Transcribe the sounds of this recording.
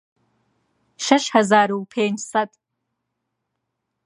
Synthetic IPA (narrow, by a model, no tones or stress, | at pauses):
ʃɐʃħazaːɾɨwpʰeːnsatʼ